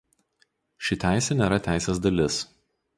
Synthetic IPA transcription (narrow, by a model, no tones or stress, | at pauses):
ʃʲɪt̪ʲæˑɪsʲɛnʲeːɾɐt̪ʲæˑɪsʲeːzd̪ɐlʲɪs